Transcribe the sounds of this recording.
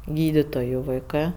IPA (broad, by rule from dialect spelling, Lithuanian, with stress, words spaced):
ˈɡʲiːdʲɪtoːjʊ ʋɐɪˈkɜ